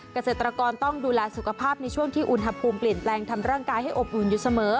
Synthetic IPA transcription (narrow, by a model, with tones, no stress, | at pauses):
ka˧seː˨˩t̪ɾa˧kɔː˧nt̪ɔ˥˩ŋduː˧lɛː˧su˨˩kʰa˧pʰaː˥˩p̚na˧jt͡ɕʰu˥˩əŋt̪ʰiː˥˩ʔu˧˩nɦa˧pʰuː˧mpli˨˩ənplɛː˧ŋt̪ʰa˧mɾaː˥˩ŋkaː˧jha˥˩jʔo˨˩p̚ʔu˨˩˦njuː˨˦sa˧mɤː˩˦˥